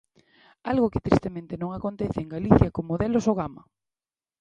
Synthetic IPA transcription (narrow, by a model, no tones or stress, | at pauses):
alɣʊkɪ̥t̪ɾist̪emẽnt̪ɪnõŋakont̪ɛθɪeŋɡaliθjakomoðelosoɣ̞amɐ